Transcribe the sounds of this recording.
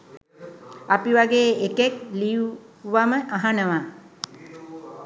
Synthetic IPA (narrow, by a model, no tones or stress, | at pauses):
apiʋaɡeːekekliju | ʋaməʔaɦanəʋa